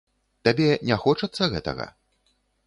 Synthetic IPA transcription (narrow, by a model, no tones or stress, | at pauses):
t̪abʲɛnʲaxɔt͡ʂɐt̪sːɐɣɛt̪ɐ̰ɣɐ̰